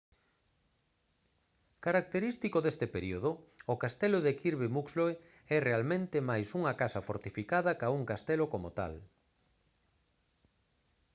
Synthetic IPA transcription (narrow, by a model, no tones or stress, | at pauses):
kaɾak̚t̪eɾist̪ikoðest̪epeɾioð̞ʊʊkast̪eloðekiɾβemuksloe | ɛrealmẽnt̪ɪmajsuŋɐkasɐfoɾt̪ifikaðɐkauŋkast̪ɛlokomot̪a̰l